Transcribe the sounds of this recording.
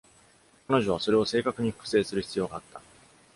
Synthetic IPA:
kano̞ʑo̞βaso̞ɾe̞o̞se̞ːkakɯ̟ɲ̟iɸɯ̟̥kɯ̟̥se̞ːsɨɾɯ̟çi̥t͡sɨjo̞ːɡaːt̪ːḁ

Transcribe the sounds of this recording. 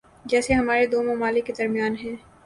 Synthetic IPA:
d͡ʒɛːseɦɐmaːɾed̪oːmɐmaːlɪkːed̪ɐɾmijaːnɦɛ̃ː

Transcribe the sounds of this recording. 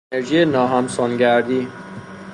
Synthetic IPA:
eɾʒijenɒːɦæmsɒːnɟæɾd̪iː

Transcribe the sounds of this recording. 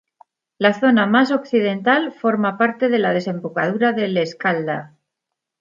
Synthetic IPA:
laθo̞namaso̞kθiðe̞nt̪alfo̞ɾmapaɾt̪e̞ðe̞laðe̞se̞mbukað̞uɾaðe̞le̞skald̪a̰

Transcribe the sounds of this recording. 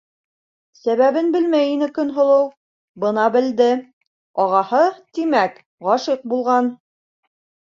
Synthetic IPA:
sæβæβɘnbɘlmæjinɘkɵ̆nɦŏlˠɤw | bɤ̆nɑbɘ̆ld̪ɘ | ɒʁɑhɤt̪imæk | ʁɑʃiq̚bulˠʁɑn

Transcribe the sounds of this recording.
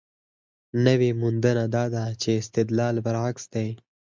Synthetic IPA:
nəwemund̪ənad̪ɑd̪at͡ʃeɪst̪ɪd̪lɑːlbaɾaksd̪ej

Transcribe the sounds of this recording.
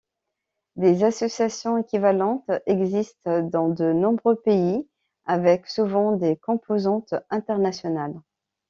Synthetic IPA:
d̪ezasɔsjasjɔ̃ekʲivalɑ̃t̪ɛɡzist̪d̪ɑ̃d̪ənɔ̃bʁøpei | avɛksuvɑ̃d̪ekɔ̃pozɑ̃t̪ɛ̃t̪ɛʁnasjɔnal

